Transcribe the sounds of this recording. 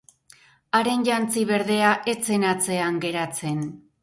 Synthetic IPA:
aɾe̞nʝant͡siβe̞ɾðe̞aʔe̞t͡se̞nat͡se̞aŋɡe̞ɾat͡se̞n

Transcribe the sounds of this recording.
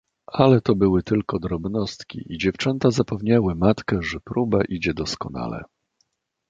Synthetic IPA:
alɛt̪ɔbɘwɘt̪ɘlkɔd̪ɾɔbnɔst̪kʲḭʔid͡ʑɛft͡ʂɛnt̪azapɛvɲawɘmat̪kɛʐɛpɾubaʔid͡ʑɛd̪ɔskɔna̰lɛ̰

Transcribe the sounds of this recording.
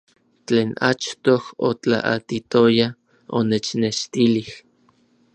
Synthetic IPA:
t͡ɬeːna̰t͡ʃt̪oho̰t͡ɬa̰ʔat̪it̪oja | o̰net͡ʃneʃt̪ilih

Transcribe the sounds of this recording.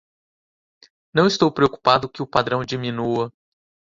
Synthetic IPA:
nɐ̃w̃ɪst̪owpɾeoku̥pad̪ʊkɪʊpad̪ɾɐ̃w̃d͡ʒiminuɐ

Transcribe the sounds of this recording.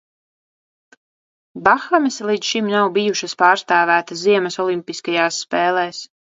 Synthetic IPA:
baxamɛslˠid̪ʃimnawbijuʃaspaːɾst̪aːvæːt̪aziɛmɛsɔlˠimpiskajaːsːpɛːlˠɛːs

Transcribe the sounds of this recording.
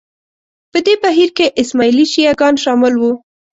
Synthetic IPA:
pəd̪ebaɦiɾkeʔɪsmɑiliʃijaɡɑnʃɑmɪlwu

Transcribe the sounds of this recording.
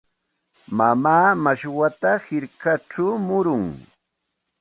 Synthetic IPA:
mamaːmaʃwat̪ahɪɾkaʈ͡ʂawmʊɾʊŋ

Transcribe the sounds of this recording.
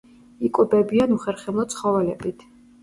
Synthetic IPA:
ikʼubɛbianuχɛɾχɛmlˠɔt̪sʰχɔvɛlɛbit̪ʰ

